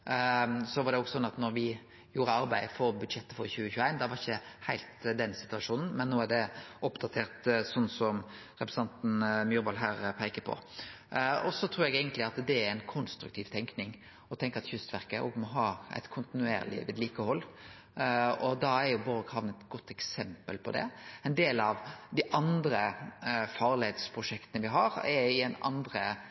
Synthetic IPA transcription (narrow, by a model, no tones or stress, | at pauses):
sɔʋɑɾd̪ɛɔɡsɔnːɑt̪nɔɾʋɪ | juːɾəɑɾbæɪfɔɾbʉd̪ʂɛt̪ːəfɔɾçʉːəçʉːæɪnd̪ɑʋɑɾɪçəhæɪlt̪d̪ɛnsɪ̥t̪ʉɑʂuːnn̩mɛnːoːæɖ̪ɛɔpd̪ɑt̪ʰeːɾt̪sɔnːsɔm | ɾɛpɾɛ̥sɑnt̪n̩mjʉːɾbɑlɦæːɾpʰæɪkəpʰɔ̰ | ɔsɔt̪ʰɾuːɾɛɡeːɡənt̪lɪɑt̪d̪ɛɾæɪnkʰʊnst̪ɾʉ̰k̚t̪ʰiːʋt̪ʰɛŋknɪŋ | ɔt̪ʰɛŋkəɑt̪çʏst̪ʋæɾkəʔɔ̰ɡmɔɦɑːæ̰ɪt̪kʰʊnt̪ɪnʉḛːɾlɪ̰ʋɪ̰d̪liːkəhɔlː | ɔd̪ɑæɾjʊbɔlɡhɑʋnəɛt̪ɡɔt̪ːɛksɛmpəlpʰɔ̰d̪ɛ̰ɛɪnd̪eːlɑʋd̪ɪʔɑnd̪ɾəfɑʁlɪhet̪spʰɾʊʂɛkt̪ənəʋɪɦɑɾɛɪɛnɑ̰nd̪ɾə